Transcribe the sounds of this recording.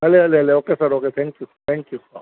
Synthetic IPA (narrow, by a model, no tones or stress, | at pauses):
ɦɐleɐleɦɐleokesɐɾoket̪ʰɛ̃ŋkjust̪ʰɛ̃ŋkjusa̰